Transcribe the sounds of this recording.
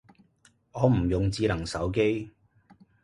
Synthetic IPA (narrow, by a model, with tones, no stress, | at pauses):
ɔː˨˧m̩˨˩jʊ˨ŋt͡siː˧lɐ˨˩ŋsɐ˨˥wk̬e˥j